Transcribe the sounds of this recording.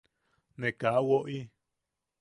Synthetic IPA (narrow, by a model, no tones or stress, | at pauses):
nẽkawoʔi